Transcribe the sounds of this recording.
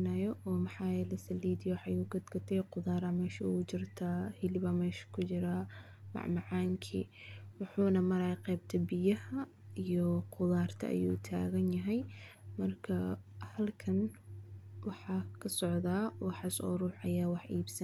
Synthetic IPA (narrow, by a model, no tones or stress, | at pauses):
najɔʔɔːmɑħɑːjɛlɛsɐliːd̪ɪjwħɑjʊɡɐd̪ɡɐt̪ʰɛjqʊðaːɾamɛːʃṵʊt͡ʃɪrt̪ʰaːhɪlɪβɐmɛːʃkʰʊt͡ʃɪɾa | mɑ̰ʕmɑʕaːŋkʰḭːwʊħuːnɐmɐɾɐjqɛːb̚t̪ʰɐbɪjɐhɐ | ijɔqʊðaːrt̪ʰɐ̰ʔɐ̰jṵːt̪ʰa̰ːɣɐnjɐɦɛjmɐrkʰɐhɐlkʰɐn | wɑħɑkʰɐsɔʕðaːwɑħɑsɔ̰ɾuːħɐjaːwɑħʔiːbsɐn